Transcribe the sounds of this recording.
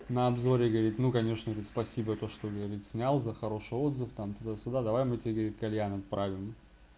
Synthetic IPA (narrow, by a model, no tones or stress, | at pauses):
nəɐbzo̞ɾʲɪɡəvɐɾʲit̪nukɐnʲeʂnəɡɐɾʲit̪spɐsʲibət̪o̞ʂt̪oɡəvɐɾʲit̪ʲsʲnʲalˠzəxɐɾo̞ʂɨjo̞d̪zɨft̪amt̪ʊd̪asʲʊd̪ad̪ɐvajmɨtʲɪbʲeɡəvɾʲit̪̚kɐlʲjanɐt̪̚pɾʔavʲɪm